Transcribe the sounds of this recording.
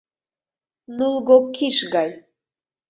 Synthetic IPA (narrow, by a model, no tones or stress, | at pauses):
nulˠɣokʰːiʃɣɑj